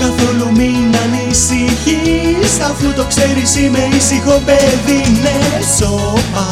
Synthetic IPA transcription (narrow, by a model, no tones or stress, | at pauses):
kɐθo̞luminɐnisiçisɐfut̪o̞kseɾisimeisixopeðinesoɐ